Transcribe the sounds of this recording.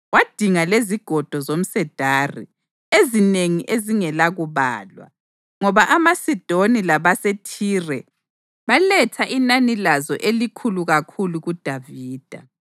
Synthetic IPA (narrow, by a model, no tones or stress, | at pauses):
wad̥ʱiŋaleziɡ̥ʱɔd̥ʱɔzom̩sɛd̥ʱaːrḭ | ezineŋiʔeziŋɛlaɣuβa̰ːlwa̰ | ŋɔβaʔamasid̥ʱonilaβasetʰiːrɛ | βalɛtʰaʔinanilazɔʔelikʰuluɣakʰuluɣud̥ʱaviːd̥ʱa